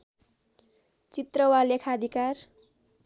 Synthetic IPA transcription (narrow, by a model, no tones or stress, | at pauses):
t͡sit̪rʌwalekʰad̪ʱikar